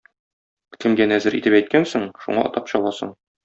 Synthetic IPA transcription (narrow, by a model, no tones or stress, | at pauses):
kɘ̆mɡænæzɘɾʔit̪ɘpæjt̪̚kænsɘɴʃṵɴɑʔɒ̰t̪ɑpɕɒlˠɑsɤ̰ɴ